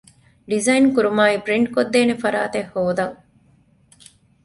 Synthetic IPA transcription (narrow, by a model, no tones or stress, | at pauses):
ɖizɐinkuɾumaːibɾiɳʈ̚kod̪ːeːnefɐɾa̰ːt̪ehːoːd̪ɐŋ